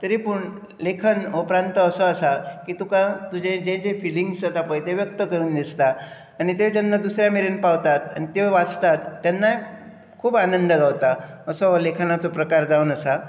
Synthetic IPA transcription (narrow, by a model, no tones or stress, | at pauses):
t̪əɾipuɳ | lekʰənɦopɾant̪əəsɔəsakiːt̪ukãt̪ud͡ʑẽd͡ʑẽd͡ʑefiliŋɡsat̪apə̃jt̪eʋjək̚t̪əkəɾuːnd̪ist̪aː | nit̪eʋd͡ʑanːad̪usɾjameɾenpaʋt̪at̪a̰nit̪eʋat͡st̪at̪ːjanːa | kʰuːbanənd̪əɡaʋt̪aəsɔlekʰnat͡sopɾəkaɾd͡zaunəsa